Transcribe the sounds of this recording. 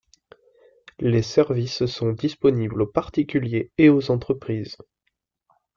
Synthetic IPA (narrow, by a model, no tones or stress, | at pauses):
lesɛʁvissɔ̃d̪ispɔniblopaʁt̪ikʲyljeeozɑ̃t̪χəpχiːz